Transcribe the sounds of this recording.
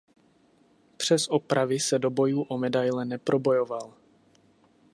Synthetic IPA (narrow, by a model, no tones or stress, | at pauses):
pr̝̥ɛsʔo̞pɾʔavɪsɛdo̞bo̞juːʔomɛdajlɛnɛpɾo̞bo̞jo̞val